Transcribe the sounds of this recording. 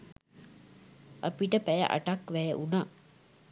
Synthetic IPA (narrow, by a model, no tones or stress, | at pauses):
ʔapiʈəpæjə̰ʔa̰ʈakʋæjəʔunaː